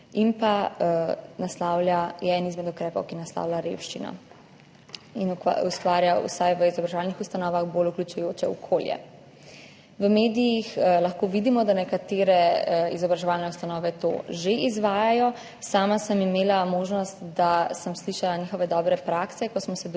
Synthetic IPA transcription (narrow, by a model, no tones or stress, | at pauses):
inpa | naslawlʲjajɛɛnizmɛd̪ukɾɛːpɔwkinasla̰wlʲaɾḛwʃt͡ʃinɔ̰ | in̰ust̪ʋaːɾjaṵsajʋəizɔbɾaʒɛʋaːlnixust̪anɔːʋaɣboluklut͡ʃujoːt͡ʃɛɔkʰoːljɛ̰ | ʋəmeːd̪ijixlaxkoʋid̪imɔd̪anɛkat̪eːɾɛizɔbɾaʒɛʋaːlnɛust̪anɔːʋɛt̪o̰ʒeʔizʋaːjajɔ | saːmasəmimeːlamoːʒnɔst̪d̪asəmsliʃalanixɔʋɛd̪ɔbɾɛpɾaksɛkɔsmɔsɛ